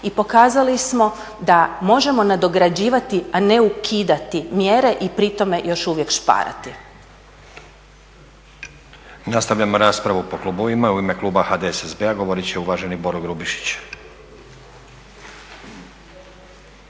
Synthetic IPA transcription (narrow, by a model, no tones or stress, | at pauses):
ipo̞kaːzalismo̞ | d̪amo̞ʒe̞mo̞nad̪o̞ɡɾad͡ʑiːʋat̪iane̞ukʰiːd̪at̪imjeɾe̞ʔipɾit̪o̞me̞jo̞ʃuʋje̞kʃpa̰ːɾa̰t̪i | nast̪aʋʎʲamoɾaːspɾaʋupo̞klˠuboʋimauime̞klˠuːbaxaːd̪eesezbeaɡo̞ʋoɾit͡ɕeuʋaːʒe̞nibo̞ɾoɡɾubiʃi̥t͡ɕ